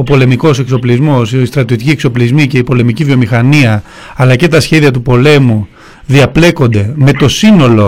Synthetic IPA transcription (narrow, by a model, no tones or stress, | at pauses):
o̞po̞le̞miko̞se̞kso̞plizmo̞sist̪ɾɐt̪io̞t̪iciekso̞plizmice̞ipo̞le̞micivio̞mixɐniɐ | ɐlɐce̞t̪ɐsçe̞ðiɐt̪̬upo̞le̞mu | ðiɐple̞ko̞nd̪e̞me̞t̪o̞sino̞lo̞